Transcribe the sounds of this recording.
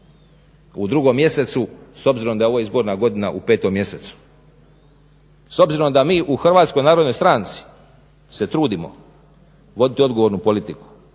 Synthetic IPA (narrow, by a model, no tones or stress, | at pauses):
ud̪ɾuɡomːje̞se̞t̪suso̞bziɾo̞md̪aeo̞ʋojeizbo̞ːɾnaɡo̞d̪inaʔupe̞ːt̪o̞mje̞se̞t̪su̥ | so̞bziɾomd̪amiːʔuxr̩ʋaːt̪sko̞jnaːɾod̪no̞jst̪ɾaːnt̪si̥ | se̞t̪ɾuːd̪imo̰ | ʋo̞d̪it̪io̞d̪ɡoʋo̞ɾnupo̞lit̪iku̥